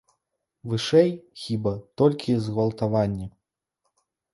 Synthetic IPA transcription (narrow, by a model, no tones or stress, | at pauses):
vɨʂɛjxʲibɐt̪ɔlʲkʲizɣɐlˠt̪avanʲːɛ